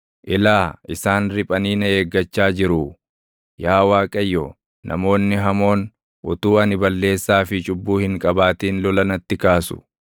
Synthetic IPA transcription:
ʔɪlaːʔɪsaːnɾɪpʼɐniːnɐeːɡːɐt͡ʃːaːd͡ʒɪɾʊ | jaːwaːkʼɐjːɔ | nʔɐ̰mo̞ːnːɪɦɐmo̞ːn | ʔʊt̪uːɐnɪbɐlːe̞ːsːaːfɪt͡ʃʊbːuːhɪŋkʼɐbaːt̪iːnlɔlɐnɐt̪ːɪkaːsʊ̥̰

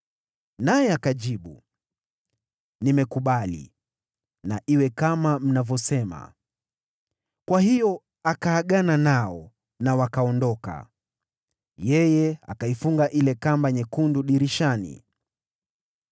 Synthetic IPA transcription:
najɛakaʄiɓu | nimɛkuɓalḭ | naʔiwɛkamam̩navjɔsɛma̰ | kwahijɔ | akaːɠananaɔ | nawakaɔndɔka̰ | jɛjɛa̰kaifuŋɡaʔilɛkambaɲɛkunduɗiɾiʃanḭ

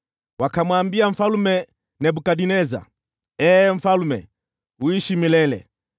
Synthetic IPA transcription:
wakamwambiaɱ̩falumɛ | nɛbukaɗinɛza̰ | ɛːɱ̩falumɛ̰ | uiʃimilɛlɛ̰

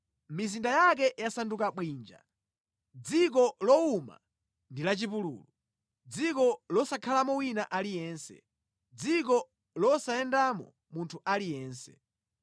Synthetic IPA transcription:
mizindajak̬ɛjasandukaɓwiːnd͡ʒa̰ | d͡zik̬ɔlɔuma̰ | ndilat͡ʃipulṵːlu | d͡zikɔlɔsakʰalamɔwinaʔalijɛːnsɛ̰ | d͡zik̬ɔ | lɔsaɛndamɔ̰ | muntʰuʔalijɛːnsɛ̥̰

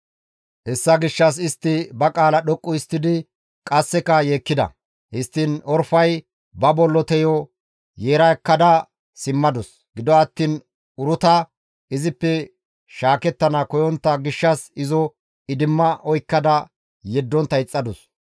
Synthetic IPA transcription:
hɛsːɐɡɪʃːɐs̬ɪst̪ːɪbɐkʼaːlɐɗɔkʼːʊɪst̪ːɪd̪ɪ | kʼɐsːɛkɐjeːkːɪd̪ɐ̰ | hɪst̪ːɪnɔɾfɐj | bɐbɔlːɔt̪ɛjɔ | jeːɾɐɛkːɐd̪ɐ | sɪmːɐd̪ɔs | ɡɪd̪ɔɐt̪ːiːn | ʊɾʊt̪ɐ | ɪzɪpːɛ | ʃaːkɛt̪ːɐnɐkɔjɔnt̪ːɐɡɪʃːɐsɪzɔ | ɪd̪ɪmːɐʔɔjkːɐd̪ɐ | jɛd̪ːɔnt̪ːɐɪt͡sʼːɐd̪ʊs

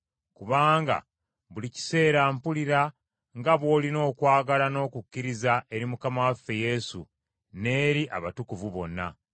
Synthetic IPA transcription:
kuβaːŋɡa̰ | βulici̥se̞ːɾaːmpuliɾa | ŋɡaβwo̞ːlino̞ːkwaːɡalano̞ːkukːiɾizae̞ɾimukamawafːe̞je̞sṵ | ne̞ːɾiʔa̰βatukuvuβo̞̰nːa̰

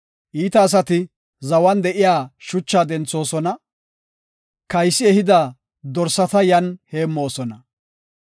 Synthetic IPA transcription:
ʔiːt̪ɐːs̬ɐt̪ɪ | zɐwɐnd̪ɛʔɪjaːʃʊt͡ʃːaːd̪ɛnt͡sːo̞ːsɔnɐ | kɐjsːɪɛhɪd̪aː | d̪ɔɾsɐt̪ɐjɐnheːmːo̞ːsɔnɐ

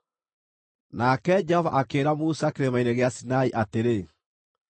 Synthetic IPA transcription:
nakɛd͡ʒɛhɔva̰ʔakeːɾamusakeɾemaineɣeasinaiʔateɾe

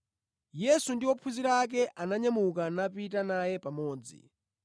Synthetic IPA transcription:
jɛsundiwɔpʰuziɾak̬ɛʔanaɲamukanapit̬anajɛpamɔːd͡zḭ

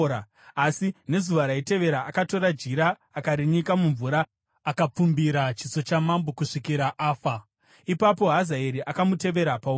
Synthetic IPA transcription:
a | asine̞zuʋaɾaite̞ʋe̞ɾaʔːkato̞ɾad͡ʒiɾaː | kaɾiɲikamuɱvuɾa | akap͡fumbiɾat͡ʃit͡so̞t͡ʃamambokuʂikiɾaʔaːfa | ipapo̞ɦazaeɾiʔakamute̞ʋe̞ɾapau

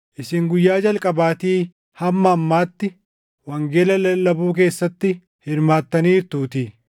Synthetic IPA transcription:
ʔɪsɪŋɡʊjːaːd͡ʒɐlkʼɐbaːt̪iː | hɐmːɐːmːaːt̪ːɪ | wɐŋɡeːlɐlɐlɐbuːk̬e̞ːsːɐt̪ːɪ | hɪɾmaːt̪ːɐniːɾt̪uːt̪i

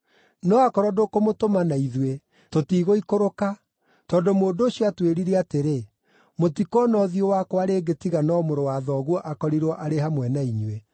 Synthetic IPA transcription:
nɔakɔɾɔdokomotomanaiðwe | totiːɣoikoɾoka | tɔndomoːndoːɕjɔatweɾiɾeateɾe | motikɔnɔðiowakɔaɾeɡetiɣanɔmoɾowaðɔɣwɔʔakɔɾiɾɔʔaɾehamwɛnaiɲwe

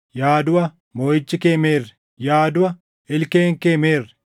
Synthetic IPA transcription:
jaːd̪ʊwɐ | moːjɪt͡ʃːɪkeːmeːrːɛ̥ | jaːd̪ʊɐ | ɪlkeːŋkeːmeːrːɛ

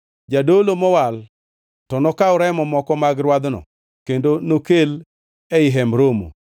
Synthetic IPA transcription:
d͡ʒadolomɔwal | tɔnɔkaʊɾamɔmɔkɔmaɡɾwad̪nɔ̰ | kendonokel | ɛɪɦɛmɾomo̰

